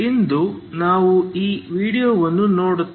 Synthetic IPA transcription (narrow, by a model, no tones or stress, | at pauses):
ind̪unaːʋuiːʋiːɽijoːʋɐnːunoːɽu